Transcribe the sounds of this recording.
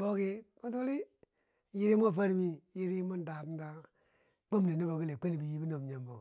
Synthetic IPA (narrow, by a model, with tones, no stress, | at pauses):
bo˦ki˦mo˦tu˦li˦ | ji˦ɾi˦mo˦˨fa˦ɾmi˦ji˦ɾi˦mo˦n˦da˨bn˦da˦ | k͡po˦m˨ne˨ni˦bo˨ɡi˦le˨k͡pe˦ni˨bi˨ji˦bi˦no˨m˨ɲa˨mbo˨